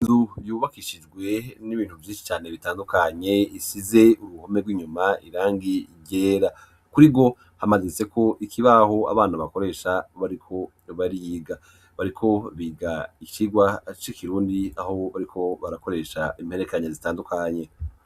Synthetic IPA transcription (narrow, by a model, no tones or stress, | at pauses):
inzujuːβakiʃid͡ʒɡwe̞niβiːnhuvjiːʃi̥t͡ʃaːne̞βitaːndukaɲe̞isize̞uɾuho̞me̞ɡwiːɲumaiɾaːŋɡiɟeːɾa | kuɾiɡo̞ | hamazise̞kʰo̞ʔikʰiβaho̞a̰βaːn̥aβako̞ɾe̞ːʃaβaɾikʰo̞ | βaɾiɡa | βaɾikʰo̞βiɡait͡ʃiɡwat͡ʃikʰiɾuːndia̰ho̞βaɾikʰo̞βaɾako̞ɾe̞ʃa̰imhe̞ɾekaɲezitaːndukaɲe̞